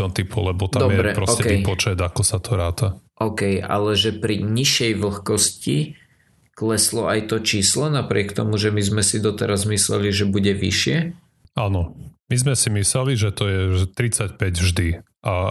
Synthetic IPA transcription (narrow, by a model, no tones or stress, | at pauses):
ɔnt̪ipɔlɛbɔtd̪ad̪ɔmjɛbɾɛpɾɔʔcɛkɛipɔt͡ʃɛd̪akɔsat̪ʰɔɾaːt̪aʔɔʊkɛja̰lɛʒɛpɾiɲiʃɛjʋl̩xkɔsci | klɛslɔajt̪ɔt͡ʃiːslɔnapɾɪɛkt̪ɔmuʒɛmizmɛsid̪ɔt̪ɛɾazmislɛ̰liʒɛbuɟɛʋḭʃɪɛ | anɔmizmɛsimislɛliʒɛt̪ɔjɛɛt̪ɾit͡sacpɛɟvʒd̪i | ʔa